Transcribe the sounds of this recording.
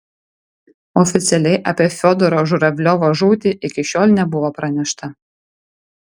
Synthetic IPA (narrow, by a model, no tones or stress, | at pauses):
ɔfʲɪt̪sʲɛlʲɛɪʔɐpʲiɛfʲoːd̪ɔɾoːʒʊɾɐʋʲlʲoʋɐʒuːt̪ʲiʔɪkʲɪʃʲoːlʲnʲɛbʊʋoːpɾɐnʲɛʃt̪ɐ